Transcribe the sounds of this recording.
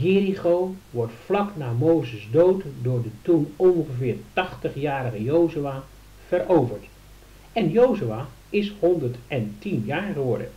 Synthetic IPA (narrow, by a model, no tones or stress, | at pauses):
jɪːriχowʋɔɹtflɑknaːmowzəzdowtdʊːɹdətunɔnχəvɪːɹtɑχtəχjaːɾəχəjowzyaː | v̥əɾowvəɹt | ɛnjowzyaː | ɪsɦɔndəɹtɛntinjaːɹχəʋɔɹdə̰